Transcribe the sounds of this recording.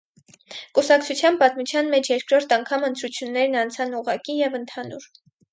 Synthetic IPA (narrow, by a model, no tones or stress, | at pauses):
kusɑkt͡sʰut͡sʰjɑnpɑt̪mut͡sʰjɑnmɛt͡ʃʰjɛɾkɾɔɾt̪ʰɑŋkʰɑmənt̪ɾut͡sʰjunːɛɾnɑnt͡sʰɑnuʁɑkijɛvənt̪ʰɑnuɾ